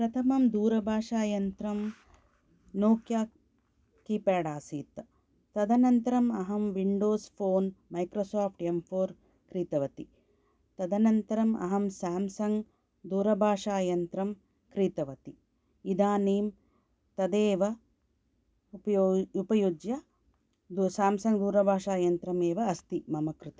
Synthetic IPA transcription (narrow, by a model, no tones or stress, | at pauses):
pɾɐt̪ʰɐmɐmd̪uːɾɐbʱaːʂaːjɐnt̪ɾɐm | noːkjaː | kiːpɛːɖaːsiːt̪ɐ | t̪ɐd̪ɐnɐnt̪ɐɾɐmɐɦɐmʋiɳɖoːspʰoːnmɐjkɾoːsaːpʰʈempʰoːɾ | kɾiːt̪ɐʋɐt̪i | t̪ɐd̪ɐnɐnt̪ɐɾɐmʔɐ̰ɦɐmsaːmsɐŋɡ | d̪uːɾɐbʱaːʂaːjɐnt̪ɾɐm | kɾiːt̪ɐʋɐt̪i | id̪aːneːm | t̪ɐd̪eːʋɐ | pɐoupɐjud͡ʒjɐ | d̪saːmsɐŋɡd̪uːɾɐbʱaːʂaːjɐnt̪ɾɐmeːʋɐːst̪imɐmɐkɾɪt̪ɐ